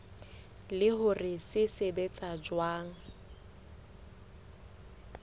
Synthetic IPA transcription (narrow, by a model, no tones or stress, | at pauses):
lɪɦʊrɪsɪsebet͡sʼad͡ʒwaːŋ̩